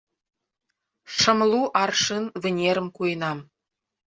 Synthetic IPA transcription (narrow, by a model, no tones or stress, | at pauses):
ʃɤ̆mlˠuʔɑrʂɨnvɘ̆nʲeɾə̆mkujənɑm